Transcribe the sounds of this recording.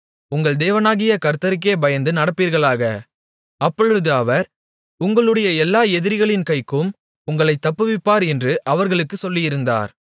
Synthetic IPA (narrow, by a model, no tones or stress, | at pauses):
ʊŋɡɐɭd̪eːʋɐnaːɣɪjɐkɐɾt̪ɐɾɪk̬ːeːbɐjɐnd̪ɯnɐɽɐpːiːɾɣɐɭaːɣɐ | ɐpːɔɻɯðɯɐʋɐɾ | ʊŋɡɐɭɯɽɐjɐɛlːaːɛðɪɾɪɣɐɭɪnkɐɪkːɯm | ʊŋɡɐɭɐɪt̪ːɐpːɯʋɪpːaːɾɛndrɯʔɐʋɐɾɣɐɭɯkːɯsɔlːɪjɪɾɯnd̪a̰ːɾ